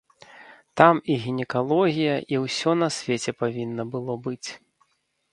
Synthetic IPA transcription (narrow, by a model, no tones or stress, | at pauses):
t̪amiɣʲinʲɛkalˠɔɣʲijɐʔiwsʲɔnɐsʲvʲet͡sʲɛpavʲinːɐbɨlˠɔbɨt͡sʲ